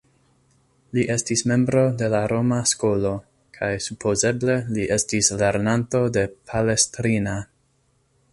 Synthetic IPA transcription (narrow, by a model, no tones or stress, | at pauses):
liʔe̞stisme̞mbɾo̞de̞laɾo̞masko̞lo̞ | kʰajsupʰo̞ze̞ble̞liʔe̞stisle̞ɾnanto̞de̞pʰale̞stɾina